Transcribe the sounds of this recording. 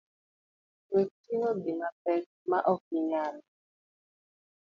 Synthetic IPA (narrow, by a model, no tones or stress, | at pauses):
wetiŋobiŋapɛt̚maʔɔk̚iɲana